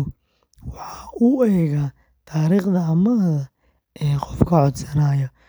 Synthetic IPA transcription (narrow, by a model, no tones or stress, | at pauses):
wɑħɑuːɛːɣa | t̪ʰaːɾiːχd̪ɐɐmɐðɐ | ʔɛːqɔfkʰɐʕɔd̪sɐnaːjɐ